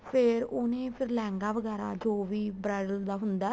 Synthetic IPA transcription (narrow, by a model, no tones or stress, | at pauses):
pʰɪɾonẽːpʰɪɾlɛ̃ːŋɡaːʋəɡɛːɾa̰ːd͡ʒoːʋiːbɾɛːɖəld̪aːɦʊnd̪aː